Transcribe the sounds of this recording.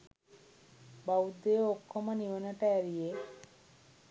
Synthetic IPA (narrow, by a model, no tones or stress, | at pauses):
bawd̪ejookʰːoməniʋənəʈəæɾije